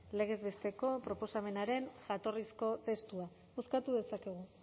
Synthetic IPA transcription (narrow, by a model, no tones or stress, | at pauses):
le̞ɣ̞e̞zβe̞st̪e̞ko̞pɾo̞po̞same̞naɾe̞nʝat̪o̞risko̞t̪e̞st̪ua | uskat̪uðe̞sake̞ɣ̞u